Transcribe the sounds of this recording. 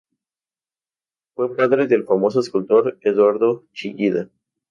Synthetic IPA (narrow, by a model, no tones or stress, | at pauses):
fwe̞paðɾeðelfamo̞s̬oeskult̪o̞ɾeðwaɾðo̞t͡ʃiɡiða